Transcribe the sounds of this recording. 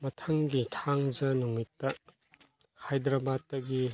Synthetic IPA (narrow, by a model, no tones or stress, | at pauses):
mɐtʰɐŋɡitʰaŋzɐnumitːɐ | kʰajdɾɐbatːɐɡi